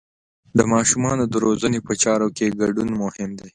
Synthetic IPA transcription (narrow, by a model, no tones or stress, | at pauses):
d̪əmɑʃumɑnod̪əɾozənepət͡ʃɑɾokeɡɐɖunmʊhɪmd̪e